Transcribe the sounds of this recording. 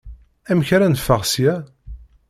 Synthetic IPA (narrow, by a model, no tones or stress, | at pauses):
æməçɾænəfːəʁsjæ